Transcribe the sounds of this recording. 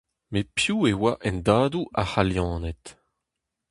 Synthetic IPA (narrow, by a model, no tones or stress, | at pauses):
mepjuːewaʔɛ̃ndaːduʔahaljɑ̃ːnɛt̪